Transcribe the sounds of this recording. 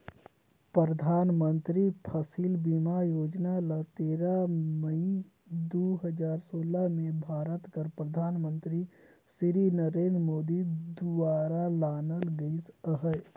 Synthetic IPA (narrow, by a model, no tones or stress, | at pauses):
pɾɾəd̪ʱaːnmənt̪ɾipʰəsilbimajoːd͡ʒnalət̪eːɾaməi | d̪oɦəd͡ʒaːɾsoːlamebʱaːɾət̪kəɾpɾəd̪ʱaːnmə̃nt̪ɾi | siɾinəɾeːnd̪ɾmoːd̪id̪uaːɾalaːnəlɡəisəɦə